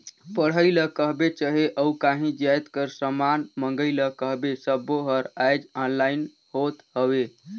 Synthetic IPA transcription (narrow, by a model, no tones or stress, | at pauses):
pəɽ̤əɪləkəɦbet͡ʃəɦeʔəukaɦĩd͡ʒjajt̪kəɾsəmanməŋɡəɪləkəɦbesəbːoɦəɾajd͡ʒanlain | hot̪ɦəwe